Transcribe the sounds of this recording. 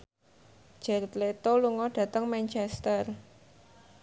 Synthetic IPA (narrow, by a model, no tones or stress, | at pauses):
d͡ʒ̥ɛrt̪let̪oluŋɔɖ̥ä̤t̪əŋmant͡ʃɛst̪ər